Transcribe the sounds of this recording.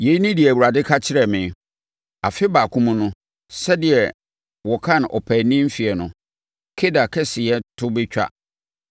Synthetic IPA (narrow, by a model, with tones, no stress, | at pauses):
je˨˦i˦nĩ˦dɪ˨ɛ˨æ˨wu˨ɾa˨dɪ˦kʰa˦t͡ɕʰɪ˦ɾɛ˨mɪ̃˨ | a̰˨fɪ˦ba˨kʰũ˦mũ˦nʊ̃˦ | sɛ˦dɪ˨ɛ˨ | wɔ˨kʰã˦˨n˨ʔɔ̰˨pʰæ˨nĩ˦m̩˦fi˨ɛ˨nʊ̃˨ | kʰe˦da˨kʰɛ˦sɪ˨jɛ˦tʰʊ˦bɪ˦t͡ɕᶣa̰˦